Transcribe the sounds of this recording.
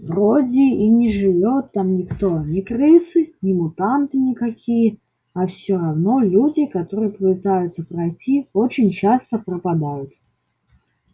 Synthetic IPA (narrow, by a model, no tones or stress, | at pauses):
vrodʲɪinʲɪʐɨvʲot̪ːamnʲɪkt̪onʲɪkrɨsɨnʲɪmʊt̪ant̪ɨnʲɪkɐkʲijə | ɐfsʲoɾɐvno̞lʲudʲɪkat̪oɾɨjəppɨt̪ajʊt̪səpɾɐjtʲiot͡ɕɪnʲt͡ɕast̪əprəpad̪ajʊt̪